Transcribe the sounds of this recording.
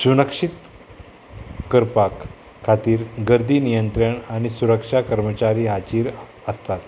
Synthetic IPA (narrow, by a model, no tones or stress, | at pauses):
sunəkʂit̪ | kəɾpakʰː | at̪iːɾɡəɾd̪iːnijənt̪ɾəɳaɽ̃isuɾəkʂakəɾmət͡ɕaɾiːɦat͡ɕiːɾ | əst̪at̪